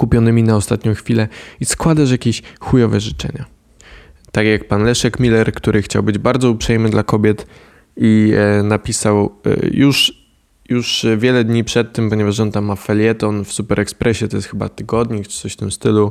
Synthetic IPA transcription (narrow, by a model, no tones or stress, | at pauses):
kupʲjɔnɘmʲinaɔst̪at̪ɲɔ̃w̃xfʲilɛiskwad̪aʂ̬jakʲeɕxujɔvɛʐɘt͡ʂɛ̰ɲa̰ | t̪akʲjak̚panlɛʂɛkmʲilɛɾkt̪uɾɘxt͡ɕawbɘd͡ʑbaɾd̪zɔupʂɛjmɘd̪lakɔbʲjɛt̪ | inapʲisaw̰juʂ | juʂvʲjɛlɛd̪ɲipʂɛt̪ːɘmpɔɲɛvaʂɔnt̪amːafɛlʲjɛt̪ɔnfsupɛɾʔɛkspɾɛɕɛt̪ɔjɛst̪xɘba̰t̪ɘɡɔd̪ɲikt͡ʂɨ̥t̪sɔɕft̪ɘmst̪ɘlu